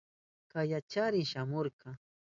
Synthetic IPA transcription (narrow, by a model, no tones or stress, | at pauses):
kajat͡ʃaɾɪŋʃamoɾqɑ